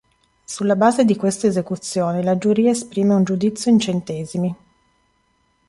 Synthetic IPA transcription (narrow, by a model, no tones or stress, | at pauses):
sulːabaːzed̪ikwest̪aezekut̪sːjoːnelad͡ʒuɾiːaespɾiːmeund͡ʒud̪it̪sːjoint͡ʃent̪ɛːzimi